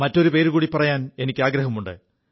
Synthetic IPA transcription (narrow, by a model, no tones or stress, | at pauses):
mɐtːo̞ɾupe̞ːɾukuːɽipːɐrɐjaːne̞nikʲːaːɡɾɐɦɐmuɳɖɨ̰